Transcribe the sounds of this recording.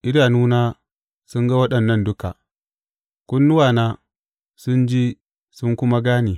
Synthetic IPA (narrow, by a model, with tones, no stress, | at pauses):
ʔɪ˦ɾaː˨nuː˦na˦ | sʊ˦ŋɡa˦wɐ˦ɗɐ˨nːɐ˦˨ndʊ˦ka̰˨ | kʷʊ˦nːʊ˦waː˨naː˦ | sʊ˦nd͡ʒiː˦ | sʊ˦ŋkʊ˦ma˦ɡaː˦niː˨